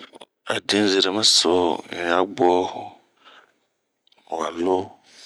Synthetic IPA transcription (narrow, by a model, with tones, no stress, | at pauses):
a̰˨dĩ˦ze˨ɾe˨mã˦so˨˦n˨a˨ɡ͡bɔ˦hʊ˦˨ | a˨lo˦